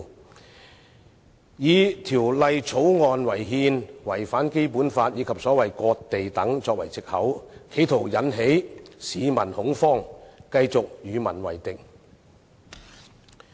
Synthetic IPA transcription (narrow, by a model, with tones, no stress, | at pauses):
jiː˨˧t̪ʰiː˨˩wlɐ˨˧jt͡sʰo˨˥wŋɔː˨nwɐ˨˩jɦiː˧nwɐ˨˩jfaː˨˥nke˥jpuː˨˥nfaː˧t̚jiː˨˧kʰɐ˨p̚sɔː˨˥wɐ˨jkɔː˧k̚t̪e˨jt̪ɐ˨˥ŋt͡sɔː˧k̚wɐ̰˨˩jt͡sɪ˨k̚hɐ˨˥wkʰe˨˥jt̪ʰo˨˩wjɐ˨˥nɦe˨˥jsiː˨˧mɐ˨˩nhʊ˨˥ŋfɔː˥ŋkɐ˧jt͡sʊ˨k̚jyː˨˧mɐ˨˩nwɐ̰˨˩jt̪ɪ˨k̚